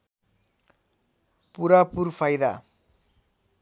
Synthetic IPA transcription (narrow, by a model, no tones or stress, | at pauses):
puɾaːpuɾfɐjða̰ː